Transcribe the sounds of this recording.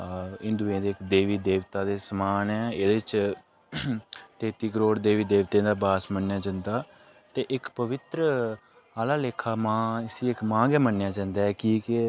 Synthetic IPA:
ɪ̃nd̪uːẽːd̪eːɪkd̪eːʋiːd̪eːʋt̪aːd̪eːsəmaːnɛːeːd̪eːt͡ʃ | t̪eːt̪iːkəɾoːɾd̪eːʋiːd̪eːʋt̪ẽːd̪aːbaːsmənːjaːd͡ʒãːnd̪aː | t̪eːʔɪkpəʋɪt̪ɾə | aːlaːleːkʰaːmãːɪsiːɪkmãːɡɛːmənːjaːd͡ʒãːnd̪aːɛːkiːkɪ

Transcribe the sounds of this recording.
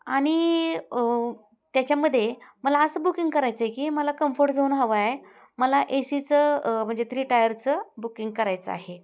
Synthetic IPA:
aɽ̃i | t̪jat͡ɕjaməd̪ʱːjeməlaəsəːbukiŋɡkəɾajt͡səɦekiːməlakəmfoɾʈd͡zoːnɦəʋae | məlaʔesit͡səm̤əɳd͡zet̪ɾiːʈajəɾt͡səbukiŋɡ̚kəɾajt͡sə̰a̰ɦe

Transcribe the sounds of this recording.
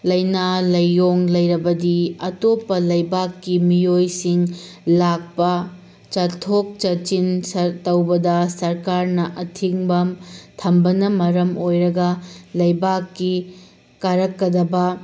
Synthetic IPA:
lɐjnalɐjːoŋlɐjɾɐbɐdiɐtopːɐlɐjbakːimiojsiŋ | lak̚pɐ | t͡ʃɐtʰok̚t͡ʃɐt͡ʃinsɐɾtɐwbɐdɐsɐɾkaɾnɐʔɐtʰiŋbɐmtʰɐmbɐnɐmɐɾɐmojɾɐɡɐlɐjbakːi | kaɾɐkːɐdɐbɐ

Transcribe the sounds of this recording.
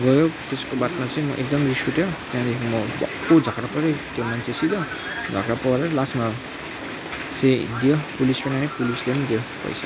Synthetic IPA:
ɡʌjot̪eskobat̪mat͡sʌĩmʌ̰ʔek̚d̪ʌmriskuʈjot̪jãd̪ekʰimʌbʌ̰kːod͡zʱʌkɾapʌɾʌt̪jomant͡sʰesid̪ʌ | d͡zʱʌkɾapʌwaɾaɾʌlasma | sed̪ijʌpulispʌnanepulislemʌ̃nd̪ijʌpʌ̰jsʰa

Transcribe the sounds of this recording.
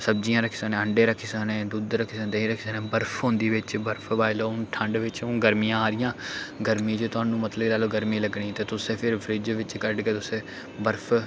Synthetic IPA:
səb̚d͡ʒijãːɾəkʰiːsənẽːəɳɖeːɾəkʰiːsəneːd̪uːd̪ɾəkʰiːsənt̪eĩːɾəkʰiːsənẽːbəɾpʰɦõːnd̪iːʋɪt͡ʃbəɾpʰbaːɪlõːʈʰəɳɖʋɪt͡ʃːɡəɾmijãːaːɾɪjãːɡəɾmĩːd͡ʒeːt̪ʊãːnũːmət̪ləblaːloːɡəɾmĩːləɡɳĩːt̪eːt̪ʊsẽːpʰɪɾpʰɾɪd͡ʒʋɪt͡ʃkəɾɖkeːt̪ʊsẽː | bəɾpʰ

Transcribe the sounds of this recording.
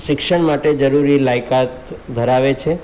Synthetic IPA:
ʃɪkʃəɳmaʈed͡ʒəɾuɾilajkat̪d̪ʱəɾaʋet͡ʃʰe

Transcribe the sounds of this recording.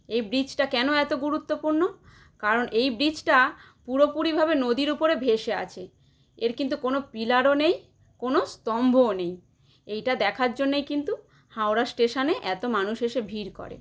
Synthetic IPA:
ejbɾid͡ʑʈakɛnoɛt̪oɡuɾut̪ːopuɾno | kaɾonʔejbɾid͡ʑʈa | puɾopuɾibʱabenod̪iɾupoɾebʱeʃea̰t͡ɕʰe | eɾkint̪̬ukonopilaɾonej | konost̪ɔmbʱonej | ejʈad̪ɛkʰaɾd͡ʑonːejkint̪u | hawɾasʈeʃaneʔɛt̪omanuʃeʃebʱiɾkɔ̰ɾḛ

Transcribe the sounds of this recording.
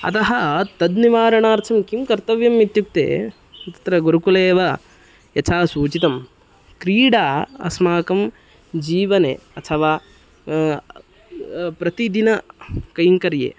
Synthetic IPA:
ɐ̰t̪ɐɦɐt̪ɐd̪niʋaːɾɐɳaːɾt̪ʰɐmkimkɐɾt̪ɐʋjɐmːit̪juk̚t̪ḛː | t̪ɐ̥t̪ɾɐɡuɾukuleːʋɐ | jɐt͡ʃʰaːsuːt͡ʃit̪ɐm | kɾiːɽaːɐ̰smaːkɐm | d͡ʒiːʋɐnḛːɐt̪ʰɐʋaː | pɾɐt̪id̪inɐkɐjiŋkɐɾjḛː

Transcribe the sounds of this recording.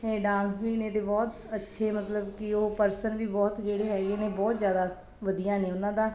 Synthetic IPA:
eːɖãːnsʋiːnẽːd̪eːbɔːt̪ | ətːʃʰeːmət̪ləbkɪoːpəɾsənʋiːbɔːt̪d͡ʒeːɽeːɦɛːɡeːneːbɔːt̪zjaːd̪aː | ʋəd̪ijãːneːʊnãːd̪ãː

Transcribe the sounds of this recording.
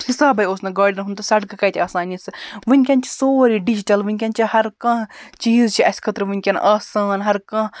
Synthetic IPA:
hisaːbɐjoːsnɐɡaːɾɖnɦunt̪usɐʈkkɐjt̪ʰʲiaːsaːnisɨʋɨnʲkʲɐnt͡ʃʰi̥soːɾiɖid͡ʒiʈɐlʋɨnʲkʲɐnt͡ʃʰihɐɾkãɦt͡ʃiːzt͡ʃʰiɐsʲkʰɐt̪ɾʋɨnʲkʲɐn̰ʔaːsaːnɦɐɾkɐ̃

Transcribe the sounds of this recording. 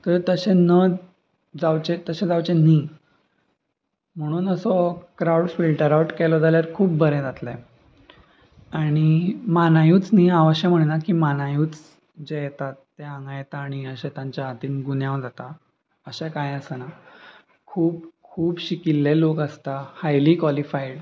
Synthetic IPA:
t̪əɾt̪əɕenə | d͡zawt͡ɕet̪əɕẽd͡zawt͡ɕeni | m̤əɽ̃uːnəsɔkɾauɽfilʈəɾauʈkɛlɔd͡zaljaɾkʰuːp̚bəɾẽd͡zat̪lɛ | aɽ̃imanajuːt͡sniaʋəɕɛm̤əɽnakiːmanajuːt͡s | d͡ʑejet̪at̪ːeãŋɡajet̪aːɽ̃iəɕet̪jãɲt͡ɕjaɦat̪iːnɡunjãwd͡zat̪a | əɕekajəsəna | kʰuːb̚kʰuːpɕikilːelokəst̪ahajliːkʋalifajɽ

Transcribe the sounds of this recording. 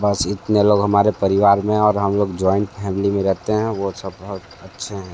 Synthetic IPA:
bəsɪt̪neloːɡɦəmaːɾepəɾɪʋaːɾmẽɔːɾɦəmloːɡd͡ʒɔːɪ̃ɳʈpʰɛːmɪlimẽɾɛɦt̪eɦɛ̃ʋosəbːəɦʊt̪ | ətːʃʰeɦɛ̃ː

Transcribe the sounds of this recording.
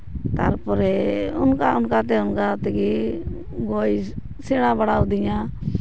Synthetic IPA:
t̪aɾpʊɾɛʊnkaʊnkaːt̪̬eːʊnkaːt̪eɡiː | ɡoːi | sɪɽ̃ãːbəɽaːʊd̪ɪjãː

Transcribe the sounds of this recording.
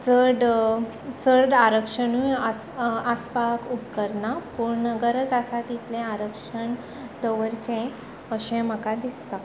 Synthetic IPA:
t͡səɽ | t͡səɾɖaɾəkʂəɳuja | aspakupkəɾnapuɾɳəɡəɾəd͡zasat̪it̪lẽaɾəkʂəɳ | d̪əʋəɾt͡ɕẽ | əɕẽməkad̪ist̪a

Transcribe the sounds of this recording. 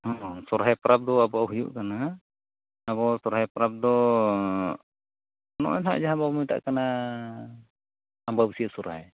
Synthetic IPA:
hɔsɔɾɦajpaɾap̚d̪ɔabɔawɦujṵʔkanaː | βɔsɔɾɦajpɾap̚d̪ɔ | nɔ̰ʔɛ̰nɦa̰ʔd͡ʒaɦabamujt̪a̰ʔkana | ambabsiasɔɾɦa̰j

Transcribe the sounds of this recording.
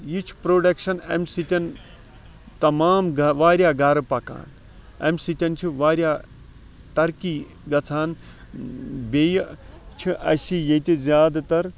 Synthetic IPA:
jit͡ʃʰi̥pɾoːɖɐkʃɐnemsit̪ʲɐn | t̪ɐmaːmɡɐʋaːɾjaːɡaːɾɐpɐka̰ːn | ḛmsit̪ʲɐnt͡ʃʰiʋaːɾjaː | t̪ɐɾki | ɡɐt͡sʰaːn | beːjt͡ʃʰiʔɐsijet̪izʲjaːd̪t̪ɐɾ

